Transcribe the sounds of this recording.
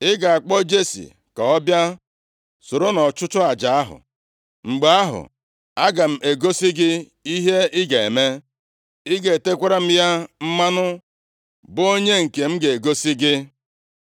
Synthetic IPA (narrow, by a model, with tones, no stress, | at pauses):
ɪ˦ɡa˨a˨k͡pɔ˦d͡ʒe˦sḭ˨ | ka˨ɔ˦bja˦ | sʊ˨ɾo˦nɔ˨t͡ʃʊ˦t͡ʃʊ˦a˨d͡ʒa˨a˦ɦʊ̰˨ | ŋ͡m̩˨ɡ͡be˨a˦ɦʊ̰˨ | a˦ɡa˨m̩˦e˨ɡo˦si˦ɡɪ˦ | i˦ɦe˦ɪ˦ɡa˨e˨me˦ | ɪ˦ɡe˨te˦kʷa˦ɾa˦m̩˦ja˦m̩˦ma˦nʊ˦ | bʊ˦o˦ɲe˦ŋ̩˨ke˨m̩˦ɡe˨e˨ɡo˦si˦ɡɪ˦